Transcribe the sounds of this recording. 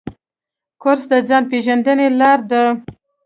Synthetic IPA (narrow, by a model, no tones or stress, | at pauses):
kʊɾsd̪əd͡zɑn̚peʒand̪ənelɑɾd̪ə